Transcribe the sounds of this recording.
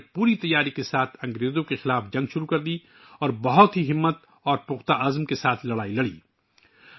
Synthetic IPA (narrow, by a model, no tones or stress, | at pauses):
puːɾit̪ɐjːaːɾikesaːt̪ʰɐ̃ŋɡɾeːzõkexɪlaːfd͡ʒɐ̃ŋɡʃʊɾukɐɾd̪i | ɔːɾbɐɦʊt̪ɦiɦɪmːət̪ | ɔːɾpʊxt̪aʔɐzmkesaːt̪ʰlɐɽaːilɐɽḭː